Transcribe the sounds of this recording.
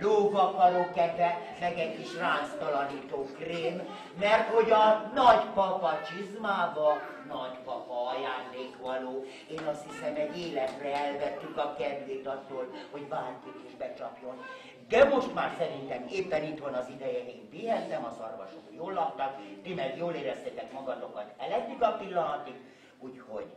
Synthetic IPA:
loːvɒkɒɾokːɛd̪ʋɛ | mɛɡɛɟkiʃraːst̪ɒlɒniːt̪oːkreːmː | ɛrt̪ho̞ɟɒnɒɟpɒpɒt͡ʃizmaːbɒ | nɒɟpɒpɒɒjaːnd̪eːkʋɒloː | eːnɒst̪hisɛmɛɟːeːlɛt̪rɛɛlvɛt̪ːykɒkɛd̪leːt̪ɒt̪ːoːlho̞ɟbaːɲkik̪eːʒbɛt͡ʃɒ̰pjo̞n | d̪ɛmo̞ʃt̪maːrsɛɾint̪ɛmeːpːɛnit̪ʋɒnɒzid̪ɛjɛeːɱpiɦɛnːɛmɒzorvɒ̰ʃo̰kjoːlːɒk̚t̪ɒkd̪imɛrjoːleːɾɛst̪ɛt̪ɛkmɒɡɒd̪o̞kɒt̪ɛlɛɡ̪ykɒpilːɒnɒt̪ik | uːcho̞̰ɟ

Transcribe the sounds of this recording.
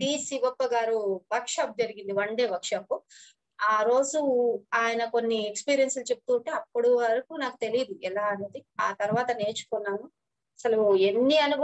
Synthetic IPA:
biːsiɡɔpːɐɡaːɾuʋɐɾkʂaːp̚d͡ʒɐɾiɡind̪iʋɐɳɖe̞ːʋɐɾkʂaːpu | aːɾo̞ːd͡ʒuaːjɐnɐko̞nːiekspiːɾijɐnslut͡ʃe̞p̚t̪uːɳʈeɐpːuɽuʋɐɾɐkunaːkut̪e̞lijd̪uɛlaːɐneːd̪iaːt̪ɐɾuʋaːt̪ɐne̞ːt͡ʃu̥kunːaːnu | ɐsɐlue̞nːiɐnubɐ

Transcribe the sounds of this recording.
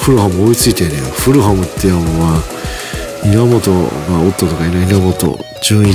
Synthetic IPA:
ɸɯɾɯ̟hamɯoit͡sɨit̪enejoɸɯɾɯ̟ɦamɯ̟t̪ːejaoβa | inamo̞t̪oɡaot̪ːot̪okainoinamo̞t̪o̞̰ | d͡ʑɨ̃ːi

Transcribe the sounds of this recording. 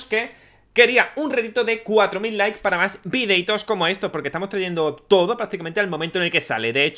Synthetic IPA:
ske̞ | ke̞ɾiaunreðit̪oðe̞kwat̪ɾo̞milːajkspaɾamasbiðe̞jt̪o̞sko̞mo̞e̞st̪o̞spoɾkest̪amot̪ɾaʝe̞nd̪o̞t̪o̞ðo̞pɾak̚t̪ikament̪ealmomẽnt̪onelke̞sa̰le̞ðe̞et͡ʃ

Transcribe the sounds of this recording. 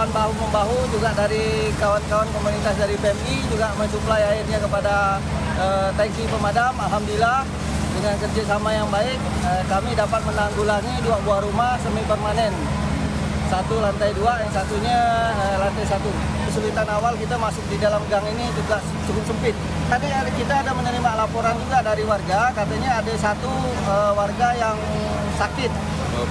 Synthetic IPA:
aanbaɦuməmbaɦud͡ʒuɡaʔdaɾikawankawankomunit̪asdaɾipɛmbid͡ʒuɡaməɲsuplajairɲakəpada | ət̪ɛnsipəmadamalɦamdilah | dəŋankərd͡ʒasamajaŋbaɪk̚əkamidapat̪̚mənaŋɡulaŋiduaʔbuahɾumahsəmipərmanɛn | sat̪ulant̪ajduajaŋsat̪uɲaəlant̪ajsat̪u | kəsulit̪anawalkit̪amasʊk̚didalamɡaŋinid͡ʒuɡaʔ | sukʊt̪səmpɪt̪̚ | t̪adikit̪aːdamənəɾimalapoɾand͡ʒuɡadaɾiwarɡakat̪aɲaːdasat̪u | əwarɡajaŋ | sakɪt̪̚

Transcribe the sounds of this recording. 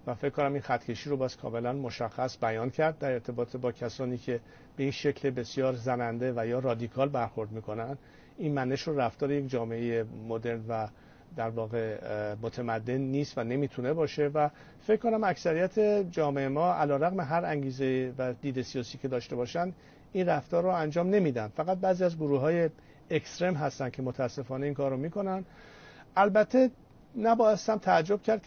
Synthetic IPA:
væfecʰːko̞næmiːnxæt̪ʰcʰe̞ʃiːɾobɒːz̥kʰɒ̰ːme̞lænmo̞ʃæxːæsbæjɒːncʰæɾd̪̚ːæɾe̞ɾt̪ʰe̞bɒːt̪ʰebɒːcʰæsɒːniːcʰe̞ | b̥e̞iːnʃe̞cʰlebe̞sjɒːɾzænænd̪e̞væjɒːrɒːd̪ikʰɒːlbæɾxo̞ɾd̪miːkʰo̞nænd̪̥ | inmæneʃɾoræft̪ɒːɾejekd͡ʒɒːmeejemod̪e̞ɾnvæ | d̪æɾvɒːɣe̞mot̪ʰemæd̪ːe̞nːiːst̪væne̞miːt̪ʰune̞bɒːʃe̞væ | fe̞ckːo̞næmæksæɾijæt̪ʰe̞d͡ʒɒːme̞emɒːælɒːɾæɣme̞ɦæɾæŋɟiːzejvæd̪iːd̪e̞sijɒːsiːcʰe̞d̪ɒːʃt̪e̞bɒːʃænd̪ | inræft̪ɒːɾːoænd͡ʒɒːmne̞miːd̪ænd̪̥fæɣæt̪̚bæːziːæzɡoɾuːɦɒːje̞ | ekst̪ɾemɦæst̪æn̥̚cʰe̞mot̪ʰææsːe̞fɒːneiːŋkʰɒːɾːomiːkʰo̞nænd̪̥ | ʔælbæt̪ʰːe | næbɒːjest̪æmt̪ʰææd͡ʒːo̞b̥̚cʰæɾd̪̚

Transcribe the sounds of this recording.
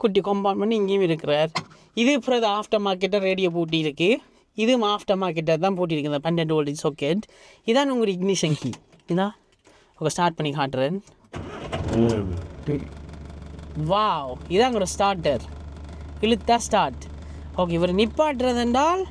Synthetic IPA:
kʊʈːikɔmpaːnmɐɳɖɪŋɡejʊmɪɾɯkːɪɾaːɾ | ɪðɯpʊɾɐðɐaːfʈɐmaːɾkːɛʈ̬ːɐɾeːɽɪjoːp̬uːʈ̬ːiɪɾɯkːɯ | ɪðɯmaːfʈɐmaːɾk̬ːɛʈ̬ːɐɾt̪ãːpuːʈ̬ːiɪɾɯkːɯnd̪ɐpɛɳɖɛɳɖoːlɪd͡ʒsoːkːeʈ | ɪðaːnʊŋɡɐɾɪɡnɪʃɐŋkḭ | ɪðãː | ɔŋɡɐsʈaːɾʈ̚pɐɳːikaːʈːɯɾɐːn | ʋawɪðãːʊŋɡɔɾsʈaːɾʈːɐɾ | ɪlɯt̪ːaːsʈaːɾʈ | oːk̬eːʋɐɾɐnɪpːaːʈ̬ːɯɾɐðɛnɖaːl

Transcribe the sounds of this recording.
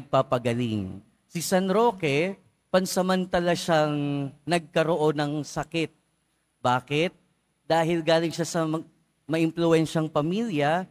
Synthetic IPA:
ɡ̚papɐɡɐlɪŋ | sɪsanɾo̞ːkɛ | pɐnsɐmɐnt̪alɐʃaŋnɐɡ̚kɐɾoʔo̞nɐŋsɐkɛt̪̚ | baːkɪt̪̚ | d̪aːhɪlɡaːlɪŋʃasɐm | mɐʔɪmplʊɛnʃɐŋpɐmiljɐ

